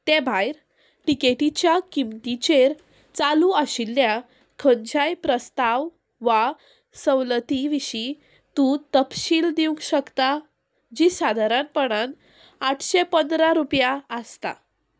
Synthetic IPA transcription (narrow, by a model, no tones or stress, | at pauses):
t̪ɛ̃bʱajɾ | ʈikeʈit͡ɕjakimt̪it͡ɕeɾ | t͡saluəɕilːja | kʰəɲd͡ʑajpɾəst̪aʋ | ʋa | səwlət̪iʋiɕi | t̪ũt̪əpɕiːld̪iũŋkɕəkt̪a | d͡ʑisad̪ʱaɾãnpəɽ̃an | aʈʰɕepənd̪ɾaɾupjaəst̪a̰